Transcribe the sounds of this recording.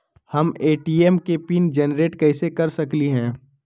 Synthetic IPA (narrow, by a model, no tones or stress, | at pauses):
hɐmeːʈiːɛːmkepiːnd͡ʒɛnɾeːʈkɛːsekɐɾsɐkliɦɛ̃ː